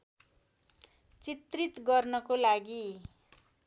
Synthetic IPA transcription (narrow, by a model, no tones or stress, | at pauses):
t͡sit̪rit̪ɡʌrnʌkolaɡi